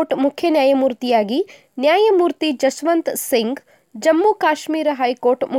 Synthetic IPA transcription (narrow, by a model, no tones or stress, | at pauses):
ʈmukʰjɐnjaːjɐmuːɾt̪ijaːɡi | njaːjɐmuːɾt̪id͡ʒɐsʋɐnt̪siŋɡ | d͡ʒɐmːukaːʃmiːɾɐɦɐjkoːɾʈmu